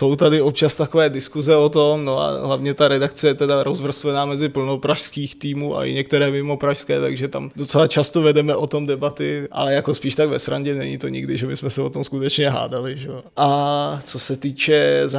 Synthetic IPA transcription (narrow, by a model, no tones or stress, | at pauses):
so̞wt̪adɪop̚t͡ʃast̪akovɛːdɪskuzɛot̪omno̞a̰ɦlavɲɛt̪aɾɛdakt͡sɛjɛt̪ɛdaɾozvr̩st̪vɛnaːmɛzɪpl̩no̞pɾaʃskiːxt̪iːmuːʔa̰ʔɪ̰ɲɛk̚t̪ɛɾɛːmɪmo̞pɾaʃskɛːt̪a̰ɡʒɛt̪amdot͡sɛlat͡ʃast̪ovɛdɛmɛʔo̞t̪o̞mdɛbat̪ɪʔa̰lɛjakospiːʃt̪aɡvɛsɾaɲɟɛnɛɲɪt̪o̞ɲɪ̰ɡdɪʒɛbɪsmɛsɛo̞t̪o̞mskut̪ɛt͡ʃɲɛɦa̰ːdalɪʒɛoʔat͡sosɛt̪iːt͡ʃɛza